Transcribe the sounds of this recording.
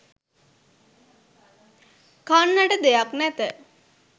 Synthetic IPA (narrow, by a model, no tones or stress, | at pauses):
kanːaʈəd̪ejaknɛt̪ə